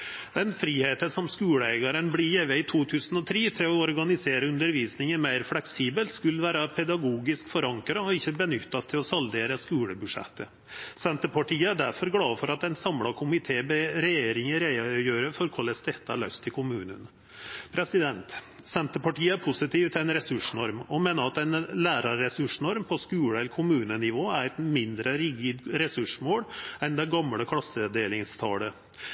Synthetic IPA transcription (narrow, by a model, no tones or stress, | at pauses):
d̪̥ɛnfɾiːheːt̪əsɔmskʉːləɛɡɑɾənblɪjɛʋəɪt̪ʰuːt̪ʰʉːsən̩ɔt̪ʰɾiːt̪ʰɪlɔɔɾɡɑnɪseːɾəʉnd̪əɾʋiːsnɪŋənmæɪɾflɛksiːbəlt̪skʉlʋæːɾɑpʰɛd̪ɑɡuːɡɪskfɔɾɑŋkɾɑɔɪçːəbənʏt̪ːɑst̪ʰɪlɔsɑld̪eːɾəskʉːləbʉʂɛ̰t̪ːə | sɛnt̪əpɑʈʰiːəæɖæɾfɔɾɡlɑːfɔɾɑt̪ɛnsɑmlɑkʰʊmɪt̪ʰeːbəɾɛjeːɾɪŋəɾɛjøːɾəfɔɾkʰɔlːəsd̪ɛt̪ːəæ̰ɭœst̪ʰːɪlkʰʊmʉːnən | pʰɾɛsɪd̪ɛnt̪ | sɛnt̪əpɑʈʰiːəæɾpʰʊsɪt̪ʰiːʋt̪ʰɪlɛnɾɛsʉʂnɔɾmɔmeːnəɾɑt̪ɛnlæːɾɑːɛsʉʂnɔɾmpʰɔskʉːɽəɛlːəɾkʰʊmʉːnənɪʋoːæɾɛt̪mɪnd̪ɾəɾɪɡɪd̪ɾɛsʉʂmoːɽɛnd̪ɛɡɑmɽəkʰlɑsːəd̪eːlɪŋst̪ʰɑːlə